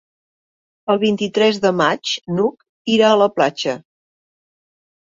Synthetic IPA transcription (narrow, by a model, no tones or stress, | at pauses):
əlˠβ̞int̪it̪ɾɛzðəmat͡ʃnuk | iɾaələplat͡ʃə